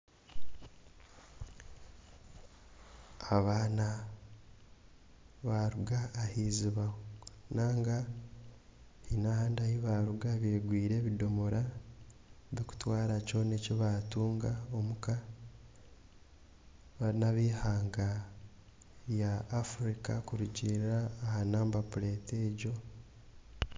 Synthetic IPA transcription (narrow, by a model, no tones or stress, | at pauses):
aβaːna | βaɾuɡaːhiziβaonaːŋɡa | hinahaːndahiβaɾuɡaβeːɡwiːɾe̞ːβidomoɾa | βiku̥twaːɾaco̞ne̞ciβaːtuːŋɡaomuka | βaɾinaβiːhaːŋɡa | jaːfuɾikakuɾuɟiɾaːhanaːmbapuɾe̞ːteːɟo̞